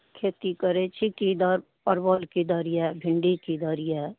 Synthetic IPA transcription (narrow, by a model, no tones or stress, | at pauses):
kʰeːt̪ikəɾet͡ʃʰikid̪ɔːɾ | pəɾbɔlkid̪ɔɾijabʱɪɳɖikid̪ɔɾija